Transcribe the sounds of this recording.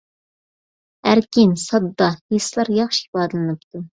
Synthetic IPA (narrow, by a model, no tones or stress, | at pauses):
æɾkʲinsɑd̪ːɑheslˠɑɾjɑχʃi̥ibɑːd̪ɨlˠɨnɨp̚t̪u